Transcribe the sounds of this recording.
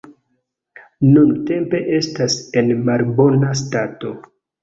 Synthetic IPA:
nunte̞mpe̞ʔe̞stase̞nmalbo̞nas̬tato̞

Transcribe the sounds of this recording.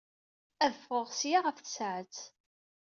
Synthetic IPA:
æðəfoʁsjaʁəfθəsʕət͡s

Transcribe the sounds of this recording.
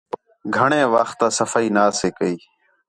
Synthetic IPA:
ɡʱəɳẽːʋəxt̪aːsəfaːiːnaːseːkəiː

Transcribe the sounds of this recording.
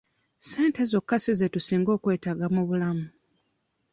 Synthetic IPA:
se̞ːnte̞zo̞kːasizetusiːŋɡo̞ːkwe̞ːtaɡamuβulamu

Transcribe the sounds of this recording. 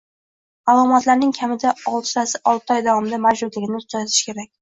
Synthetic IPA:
alˠɒmɒt̪laɾnɪŋkʲʰamɪd̪aɒlˠt̪sasɪʔɒlˠt̪ʰɪɒjd̪ɒvɒmɪd̪amad͡ʒbʊd̪lɪɡʲɪnɪʊt̪̚kʲʰaɪʃkʲe̞ɾak̚ʲ

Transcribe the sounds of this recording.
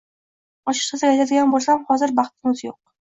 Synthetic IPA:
ɒʃɪ̥q̪ɨsɪajt̪ʰad̪ɪɡʲanbolˠsamhɒzɪɾbɑχt̪ɪmʊzjoq̚

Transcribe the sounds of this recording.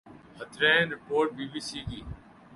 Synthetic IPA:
hət̪ʰɾẽːnɾɪpoːɾʈ̚biːbiːsiːkiː

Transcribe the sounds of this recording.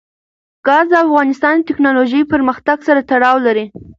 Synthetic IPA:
ɡ̥ɑzd̪əafɣɑnɪst̪ɑnd̪ət̪ɪknɑloʒəjpəɾməxt̪aɡsaɾat̪aɽɑwlaɾi

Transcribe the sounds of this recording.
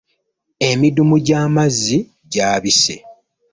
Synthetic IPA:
e̞midumuɟaːmazːi | ɟaːβise̞̰

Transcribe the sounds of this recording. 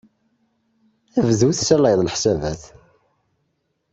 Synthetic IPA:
ævəðuθsælɑjðˤlħsævæθ

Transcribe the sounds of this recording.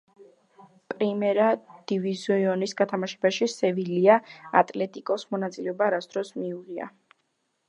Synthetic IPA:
pʼɾimɛɾad̪̥ivizɔiɔnisɡat̪ʰamaʃɛbaʃisɛviliaa̰t̪ʼlɛt̪ʼikʼɔsmɔnat̪sʼilɛɔbaɾat̪sʰd̪̥ɾɔsmiuʁia̰

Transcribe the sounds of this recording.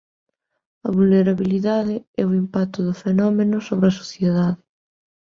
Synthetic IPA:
ɐβulneɾaβiliðaðɪɛʊimpak̚t̪ʊðʊfenɔmenʊsoβɾɐso̥θjeðaðɪ

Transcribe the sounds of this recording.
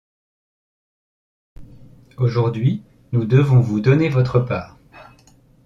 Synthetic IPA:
oʒuʁd̪ɥi | nud̪əvɔ̃vud̪ɔnevɔt̪χəpaːʁ

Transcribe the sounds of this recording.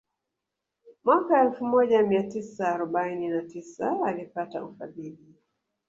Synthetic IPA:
mwakaɛlfumɔʄamiatisaːɾɔɓaininatisaalipataufa̰ðili

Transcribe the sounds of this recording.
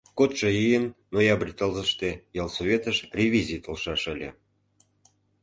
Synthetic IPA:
kot̪ʃəjijənːojɑbrʲit̪ɑlzəʃt̪ejɑlˠsoβʲet̪əʃrʲevʲizʲijt̪ə̆lʃɑʃə̆lʲḛ

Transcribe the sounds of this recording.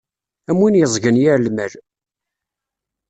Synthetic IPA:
æmwinjəzˤɡənjæɾlməl

